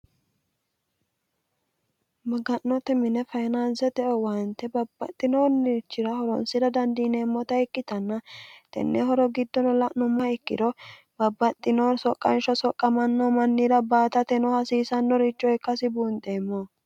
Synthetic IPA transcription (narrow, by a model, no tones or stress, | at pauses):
mɐɡɐnːɔt̪ːɛmɪnɛfɐjnansɛt̪ɛʔɔwant̪ːɛbɐbːɐt̪ʼːɪnoːnːit͡ʃːɪɾɐhɔɾɔnsɪɾɐd̪ɐnd̪ineːmːɔt̪ɐɛkːɪt̪ɐnːɐt̪ɛ̰nːɛhɔɾɔɡɪd̪ːɔnɔlɐʔnʊmːɐɪkːɪ̰d̪ɔ | bɐbːɐt̪ʼːɪnoːsɔkʼːɐnʃɔsɔkʼːɐmɐnːɔmɐnːiɾɐbaːt̪ɐt̪ɛnɔhɐsiːsɐnːɔɾɪt͡ʃːɔɛkːɐsɪbuːnt̪ʼemːɔ